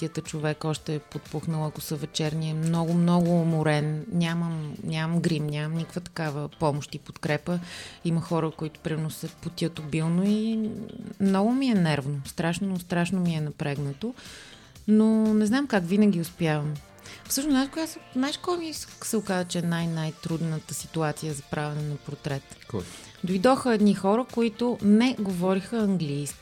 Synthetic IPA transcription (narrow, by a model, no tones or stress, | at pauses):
iət̪ət͡ʃovɛkɔʃt̪ɛːpot̪̚puxnəlˠɐkosəvɛt͡ʃɛɾnʲiɛmnɔɡʊmnɔɡʊːmʊɾɛnnʲaməmnʲaməmɡɾimnʲamɐmnikəkvət̪ɐ̥kavəpɔmoʃt̪ipot̪kɾɛpəiməxɔɾəkoit̪ʊ̥pɾimɛɾnosɛpot̪ʲiət̪obilˠnoi | mnɔɡʊmiɛnɛɾvnost̪ɾaʃnost̪ɾaʃnomiɛnɐpɾɛɡnət̪o | nonɛznamkakvinəɡ̟iʊspjavəm | fsɤʃnosnakʊjasnajʃkɔɾomissɛʊkazət͡ʃɛɛnajnajt̪ɾud̪nət̪əsit̪uat̪sijəzɐpɾʔavɛnɛnɐpoɾt̪ɾɛt̪k | d̪ojd̪ɔxəɛd̪nixɔɾəkoit̪ʊnɛɡovɔɾixəɐŋɡlijski̥